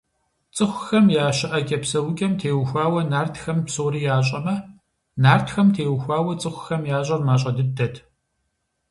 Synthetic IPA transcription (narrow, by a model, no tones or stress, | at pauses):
t͡sʼɨxʷʊxɐmjaːɕɐʔɐkʲʼɐpsɐwʊkʲʼɐmtʰeːwxʷaːwɐnaːrtʰxɐmpsoːɾiːjaːɕ̬ʼɐmɐ | naːrtʰxɐmtʰeːwxʷaːwɐt͡sʼɨxʷxɐmjaːɕʼɐrmaːɕ̬ʼɐdɨdɐtʰ